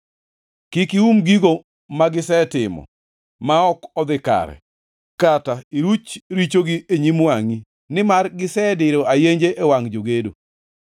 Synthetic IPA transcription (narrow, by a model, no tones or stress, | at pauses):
kikiumɡiɡo | maɡɪsɛtɪmɔ̰ | maɔkɔd̪ɪka̰ɾɛ̰ | kataiɾut͡ʃɾit͡ʃoɡieɲimwaŋi | nɪmarɡɪsɛdɪɾoajeɲd͡ʒeʔewaŋd͡ʒoɡedo̰